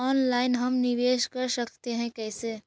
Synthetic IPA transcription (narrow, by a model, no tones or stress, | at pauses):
ɔːnlaːɪnɦɐmnɪʋeːʃkɐɾsɐkʰt̪eɦɛ̃kɛːseː